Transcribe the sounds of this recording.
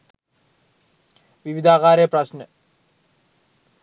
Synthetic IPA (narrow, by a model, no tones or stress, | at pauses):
ʋiʋid̪ʱaːkaːɾjəpɾɐsnə